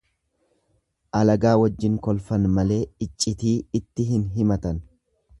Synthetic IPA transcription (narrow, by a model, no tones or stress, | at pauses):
ʔɐlɐɡaːwɐd͡ʒːɪŋkɔlfɐnmɐle̞ːɪt͡ʃʼːɪt̪iːɪt̪ːɪɦɪnɦɪmɐt̪ɐn